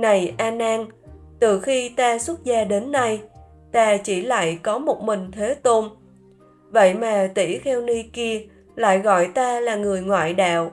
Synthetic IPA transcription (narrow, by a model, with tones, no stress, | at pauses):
na˨˩jʔaː˧naː˧n | t̪ɨ˨˩xi˧t̪aː˧swə˦˥t̚zaː˧ɗe˨˦nːa˧j | t̪aː˧t͡ɕi˧˩la̰ː˧˨jkɔ˨˦mo˨˩t̚mï˨˩ŋ̟t̪ʰe˨˦t̪o˧n | və̰˧˨jmaː˨˩t̪ḭ˧˩t̪ʰɛ˧wni˧ki˧ə | la̰ː˧˨jɣɔ̰˧˨jt̪aː˧laː˨˩ŋɨ˨˩əjŋwa̰ː˧˨jɗa̰ː˧˨w